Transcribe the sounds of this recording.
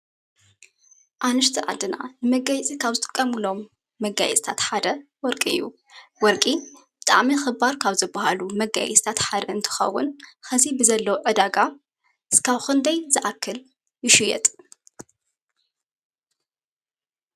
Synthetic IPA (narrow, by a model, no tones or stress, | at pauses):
ʔanɨʃt̪ʰiʔʕa̰d̪ɨna̰nɨmɐɡajt͡sʼikʰaβzɨt̪ʼɨ̥kʼːɐmɨlo̞mː | ɐɡa̰jɛ̰t͡sʼt̪ʰat̪ħad̪ɐwɔɾkʼiɨ̰jːṵ | wɔɾkʼib̥ɨt̪ʼa̰ʕmixɨbaɾkʰaβzɨbːahalumɐɡa̰jɛ̰t͡sʼt̪ʰat̪ħad̪ɐɨnt̪ʰɨ̥xɐ̰wːʊ̰nxɐzibɨzɐlːɐwoʕɨd̪aɡa | ɨskʰaβxɨnd̪ɐjzɨʔakʰːɨl | jɪʃɪjɛ̰t̪ʼ